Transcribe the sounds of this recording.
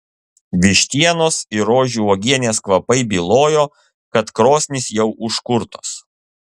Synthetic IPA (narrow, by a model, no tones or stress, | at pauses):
ʋʲɪʃʲt̪ʲiɛnoːsiɪɾoːʒʲuɔːɡʲiɛnʲeːskʋɐpɐɪbʲiːlˠoːjoː | kɐt̪kɾoːsʲnʲɪsjɛʊʔʊʃkʊɾt̪oːs